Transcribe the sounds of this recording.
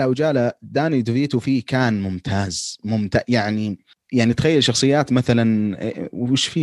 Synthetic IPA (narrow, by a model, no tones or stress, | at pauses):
ʔawd͡ʒaːlad̪aːnid̪viːt̪ufiːkaːnmʊmt̪ʰaːzmʊmt̪aːʔjaʕni | jaʕnit̪xajːalʃɑxsˤɨjːaːt̪maθalanwwɪʃfiː